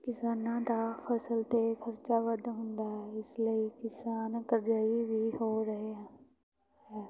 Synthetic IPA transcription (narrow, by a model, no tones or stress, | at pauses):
kɪsaːnãːd̪aːpʰəsəlt̪ekʰəɾt͡ʃaːʋəd̪ɦʊnd̪aːɦɛːɪsləiːkɪsaːnkəɾd͡ʒaːiʋiːɦoːɾəɦeːɦɛ̃ː | ɦɛː